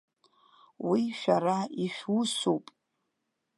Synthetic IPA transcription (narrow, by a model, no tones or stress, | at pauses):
wiʃᶣaɾaiʃᶣwʊsowpʼ